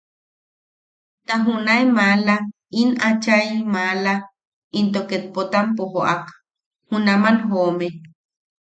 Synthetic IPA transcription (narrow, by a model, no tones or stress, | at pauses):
t̪aɦunaemala | inat͡ʃajmala | int̪oket̪̚pot̪ampoɦoʔak | hunamanɦome